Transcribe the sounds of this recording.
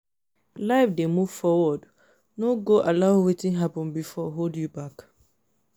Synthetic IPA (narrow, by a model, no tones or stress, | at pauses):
laɪfdemuv̥fɔwɔd | noɡoʔalaʊwetɪ̃ŋɦapɔ̃nbifɔɦoldjubak